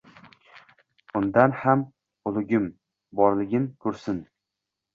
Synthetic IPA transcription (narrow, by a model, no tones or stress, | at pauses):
ʊnd̪anham | ʊlˠʊɡʲɪm | bɒɾlɪɡʲɪmkʰʊɾsɪn